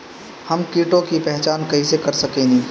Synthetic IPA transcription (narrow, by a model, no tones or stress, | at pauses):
hɐmkiːʈõkipɛɦt͡ʃaːnkɐɦisekɐɾsɐkẽːɡĩː